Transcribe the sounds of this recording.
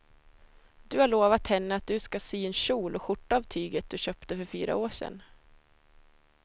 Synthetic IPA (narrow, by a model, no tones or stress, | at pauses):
d̪̥ɵhaɭoːvat̪hɛnːəat̪̚d̪ɵskasyːɛnɕuːlɔɧʊʈːaavt̪ʰyːɡət̪̚d̪ɵɕœpt̪əfœɾfyːɾa̰oːʂɛ̰nː